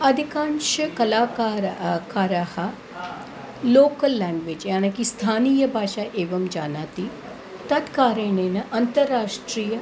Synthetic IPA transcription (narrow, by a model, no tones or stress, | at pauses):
ɐd̪ʱɪkãːnʃkɐlaːkaːɾkaːɾaːha | loːkəlːɛ̃ːŋɡʋed͡ʒjaːnɐkist̪ʰaːnijəbʱaːʃaːʔeːʋɐmd͡ʒaːnaːt̪i | t̪ɐt̪kaːɾeneːnɐʔɐnt̪əɾːaːʃʈɾijə